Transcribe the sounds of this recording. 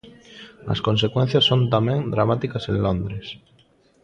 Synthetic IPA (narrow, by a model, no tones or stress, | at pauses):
ɐ̰skõnsekwɛn̟θjɐsːont̪amɛ̃ŋd̪ɾamat̪ikɐsẽŋlõnd̪ɾes